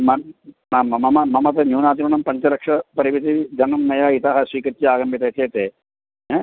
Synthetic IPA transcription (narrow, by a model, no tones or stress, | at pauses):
mɐnamɐmɐmɐmɐmɐt̪ɐnjuːnaːt̪imɐnɐmpɐɲt͡ʃɐɾɐkʂɐpɐɾiʋit̪̬id͡ʒɐnɐmːɐjaːit̪aɦɐsʋiːkɐt̪jɐaːɡɐmbʱit̪ɐt̪ʰeːt̪eː